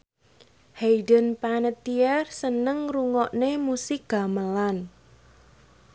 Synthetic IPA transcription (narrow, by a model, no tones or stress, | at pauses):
hejdənpanət̪iɛrsənəŋruŋɔʔnemusɪk̚ɡ̥a̤məlan